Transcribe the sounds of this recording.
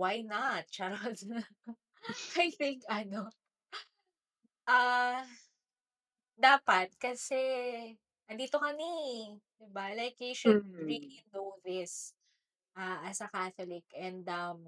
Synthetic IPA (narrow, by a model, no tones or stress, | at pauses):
wajnɐt̪̚t͡ʃaɾd | ajθɪŋkʔɐno | ʔa | d̪aːpɐt̪̚kɐsɛ | ɐnd̪iːt̪okɐnid̪ɪbalajkjiʃʊd̪̚ɹilinowðɪs | ʔɐʔɐsɐkaθolɪkɛ̃nd̪ɐm